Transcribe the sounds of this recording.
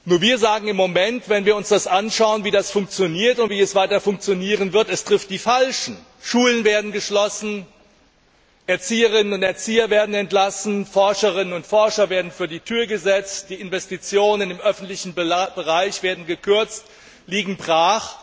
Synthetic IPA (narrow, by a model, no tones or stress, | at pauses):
nuːɐviːɐzaːɡŋ̩ɪmːomɛntv̥ɛnviːɐʊnsd̥asʔanʃaʊənviːdasfʊŋk̚t͡sjoniːɐtʊntv̥iːɛsv̥aɪtɐfʊŋkt͡sjoniːʁənvɪɐtɛstʁ̥ɪft̚d̥iːfalʃn̩ | ʃuːlənveːɐdn̩ɡəʃlɔsn̩ | ʔɛɐt͡siːəʁ̞ɪnənʊntɛɐt͡siːɐveːɐdn̩ɛntlasn̩fɔɐʃəʁɪnənʊntfɔɐʃɐveːɐdn̩fyːɐdiːtʰyːɐɡəzɛt͡std̥iːɪnvɛstit͡sjoːnənɪmʔœfn̩tlɪçn̩b̥əʁaɪçv̥eːɐdn̩ɡəkʰʏɐt͡st | liːɡŋ̩bʁaːχ